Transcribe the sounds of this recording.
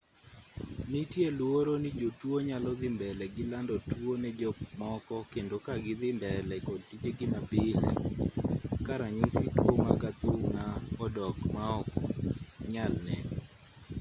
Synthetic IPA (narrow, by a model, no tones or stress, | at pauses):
nitjelwoɾonid͡ʒotwoɲalɔd̪ɪmbɛlɛɡɪlandɔtwonɛd͡ʒɔmɔkɔkendokaɡɪd̪ɪmbɛlɛkɔd̚tit͡ʃeɡɪmapɪlḛ | kaɾaɲiŋsitwoma̰kat̪uŋaɔdɔkmaɔk | ɲalnɛ